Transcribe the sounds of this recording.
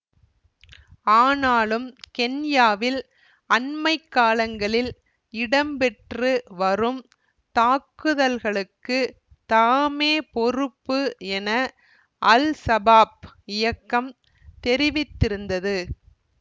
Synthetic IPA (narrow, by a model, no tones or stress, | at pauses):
aːnaːlɯmkɛnjaːʋɪl | ɐnmɐɪkːaːlɐŋɡɐɭɪl | ɪɽɐmpɛʈrɯʋɐrɯm | t̪aːkːɯðɐlɣɐɭɯkːɯ | t̪aːmeːpɔrɯpːɯɛnɐ | ʔɐlsɐbaːp̚ɪjɐkːɐm | t̪ɛɾɪʋɪt̪ːɪɾɯnd̪ɐðɯ